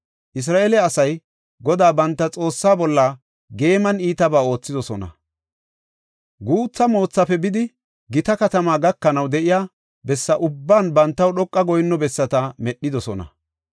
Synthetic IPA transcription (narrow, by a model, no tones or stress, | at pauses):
ʔɪs̬ɾaːʔeːlɛɐsɐj | ɡɔd̪aːbɐnt̪ːɐt͡sʼo̞ːsːaːbɔlːɐ | ɡe̞ːmɐniːt̪ɐbaːo̞ːt͡sːɪd̪ɔsɔnɐ̰ | ɡuːt͡sːɐmo̞ːt͡sːɐpɛbɪd̪ɪ | ɡɪt̪ɐkɐt̪ɐmaːɡɐkːɐnɐwd̪ɛʔɪjaː | bɛsːɐʔʊbːaːnbɐnt̪ːɐwɗɔkʼːɐɡɔjnːɔbɛsːɐt̪ɐmɛɗːɪd̪ɔsɔnɐ̰